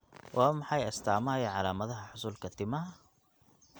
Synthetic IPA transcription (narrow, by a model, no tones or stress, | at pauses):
wʔamːħajʔast̪aʕmajʕalamaðˤhaħʊsˤulkat̪ːima